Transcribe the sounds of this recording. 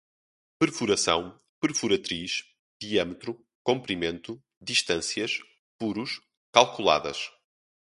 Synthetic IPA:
pɨɾfuɾɐsɐ̰̃w̃ | pɨɾfuɾɐt̪ɾiʃ | d̪iamt̪ɾu | kõmpɾimẽnt̪u | d̪iʃt̪ɐ̃sjɐʃ | puɾuʃ | kalˠkulˠa̰ðɐ̰ʃ

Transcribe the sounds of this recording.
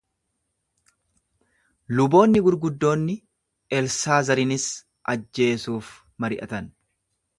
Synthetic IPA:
lʊbo̞ːnːɪɡʊɾɡʊd̪ːo̞ːnːɪ | ʔɛlsaːzɐɾɪnɪs | ʔɐd͡ʒːe̞ːsuːf | mɐɾɪʔɐ̰t̪ɐn

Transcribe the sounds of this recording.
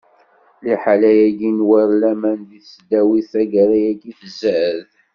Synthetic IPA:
liħalæjæɡinwæɾlæmænðisd̪æwiθæɡæɾæjæɡiθəzəð

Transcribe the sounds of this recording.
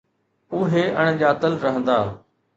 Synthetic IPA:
ʊɦeʔəɽ̃ʄaːt̪əlɾɐɦə̃nd̪aː

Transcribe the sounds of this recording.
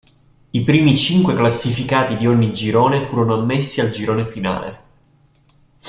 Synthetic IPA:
ipɾiːmit͡ʃiŋkweklasːifikaːt̪id̪ioɲːid͡ʒiɾoːnefuːɾonoamːesːiald͡ʒiɾoːnefina̰ːlḛ

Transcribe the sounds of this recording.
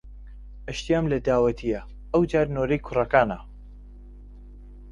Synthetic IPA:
ɐʃt̪ijaːmlɐd̪aːwɐt̪ʰijɐ | ɐwd͡ʒaːɾnoːɾɐjkʰʊrɐkaːnɐ̰

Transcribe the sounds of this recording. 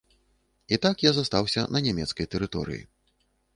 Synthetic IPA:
it̪akjazast̪awsʲɐnɐnʲɛmʲɛt̪skɐjt̪ɛɾɨt̪ɔɾɨ̰jḭ

